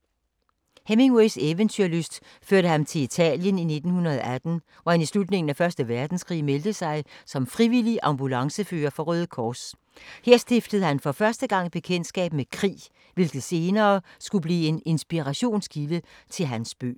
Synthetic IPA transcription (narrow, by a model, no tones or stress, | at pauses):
hemeŋweɪseʋənt͡sʰyɐløsd̥ | føɐɾəhɑnt͡sʰe̝lit͡sʰɛ̰ːljənine̝d̥n̩hunɐð̞ˠɒʔæd̥n̩ | ʋɒhænislud̥ne̝ŋn̩æfɶɐsd̥əʋæɐd̥n̩skʰʁḭːmeld̥əsɑ̈ɪsɒ̽mfʁiʋiliʔɑ̈mb̥ulɑ̈ŋsəfø̰ːɐfɒ̽ʁœːð̩ˠkʰɒːs | he̝ɐsd̥e̝fd̥əð̞̩ˠhænfɒ̽fɶɐsd̥əɡ̥ɑ̈ŋ̰b̥e̝kʰen̰d̥sɡ̥ɛ̰ːb̥mekʰʁḭː | ʋe̝lɡ̥ð̩ˠse̝ːnɐːsɡ̥ub̥lḭːe̝ne̝nsb̥iʁɑɕo̝̰ːnskʰilət͡sʰe̝lɦænsb̥ø̰ː